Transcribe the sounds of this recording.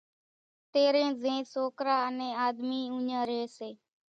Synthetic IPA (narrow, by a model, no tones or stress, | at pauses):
t̪eːɾẽːzẽːsoːkɾaːənẽːaːd̪miːũːɲãːɾeːseː